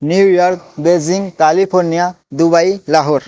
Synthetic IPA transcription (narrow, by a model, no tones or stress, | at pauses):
njujɔɾk̚beziŋkalipʰoɾnija | d̪ubajlaɦɔɾ